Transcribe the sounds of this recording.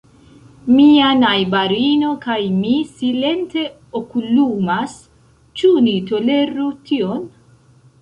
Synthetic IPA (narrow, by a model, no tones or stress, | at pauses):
mianajbaɾino̞kajmisile̞nte̞ | okulumas | t͡ʃunito̞le̞ɾutʰion